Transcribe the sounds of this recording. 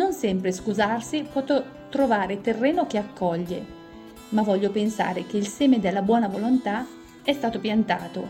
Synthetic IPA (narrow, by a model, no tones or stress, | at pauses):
nonsɛmpɾeskuzarsipwɔt̪o | t̪ɾovaːɾet̪erːeːnok̟eakʰːɔʎːe | mavɔʎːopensa̰ːɾek̟eilsɛːmed̪elːabwɔːnavolont̪a | ɛst̪aːt̪opjant̪aːt̪o